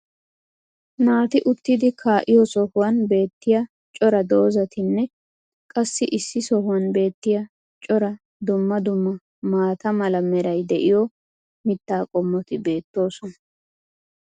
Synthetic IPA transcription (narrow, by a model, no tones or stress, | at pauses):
naːt̪ɪʔʊt̪ːɪd̪ɪkʰaːʔɪjɔsɔhʊwɐnbe̞ːt̪ːɪjɐ | t͡ʃʼɔɾɐd̪o̞ːzɐt̪ɪnːɛ | kʼɐsːɪʔɪsːɪsɔhʊwɐnbe̞ːt̪ːɪjɐ | t͡ʃʼɔɾɐ | d̪ʊmːɐd̪ʊmːɐ | maːt̪ɐmɐlɐmɛɾɐjd̪ɛʔɪjɔ | mɪt̪ːaːkʼɔmːɔt̪ɪbe̞ːt̪ːo̞ːsɔnɐ